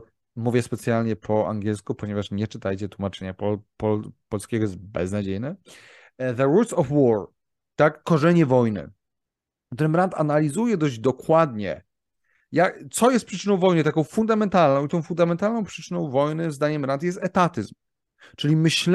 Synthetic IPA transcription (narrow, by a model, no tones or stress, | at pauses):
muvʲjɛspɛt̪sʲjalɲɛpʰɔa̰ŋɡʲjɛlskupɔɲɛvaʂɲɛt͡ʂɘt̪ajt͡ɕɛt̪wumat͡ʂɛɲapɔpɔpɔlskʲeɡɔjɛst̪̚bɛ̰znad͡ʑejnɛ | ðəɾut̪sɔfwɔɹ | t̪akːɔʐɛɲɛvɔjnɘ̰ | kt̪uɾɘmɾant̪ʰa̰nalʲizujɛd̪ɔʑd͡ʑd̪ɔkwad̪ɲɛ | jat̪sɔjɛst̪pʂɘ̥t͡ʂɘnɔ̃w̃vɔjnɨt̪akɔ̃w̃fund̪amɛnt̪alnɔ̃w̃it̪ɔ̃w̃fund̪amɛnt̪alnɔ̃w̃pʂɘ̥t͡ʂɘnɔ̃w̃vɔjnɘzd̪aɲɛmɾant̪jɛs̬t̪ɛt̪at̪ɘzm | t͡ʂɘlʲimɘɕl